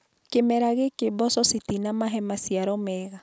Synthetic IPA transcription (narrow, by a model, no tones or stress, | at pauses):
kemɛɾaɣekebɔsɔsit̪inamaɦɛmasiaɾɔmɛɣa